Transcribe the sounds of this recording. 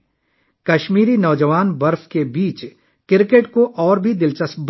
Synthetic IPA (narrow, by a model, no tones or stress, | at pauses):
kɐʃmiːɾinɔːd͡ʒəʋaːnbɐɾfkebiːt͡ʃ | kɪɾkeːʈkoʔɔːɾbʱid̪ɪlt͡ʃəsb